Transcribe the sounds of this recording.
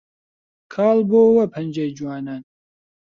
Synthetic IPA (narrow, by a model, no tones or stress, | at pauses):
kʰɑːlboːwɐpʰɐnd͡ʒeːjd͡ʒuwɑːnaːn